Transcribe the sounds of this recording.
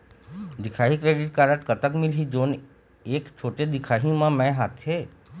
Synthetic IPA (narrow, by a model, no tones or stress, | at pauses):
d̪ɪkʰaːɦikɾeɖiʈ̚kaɾəʈkət̪əkmɪlɦid͡ʒoːn | ekt͡ʃʰoːʈed̪ɪkʰaɦimãmɛ̃ɦat̪ʰɦe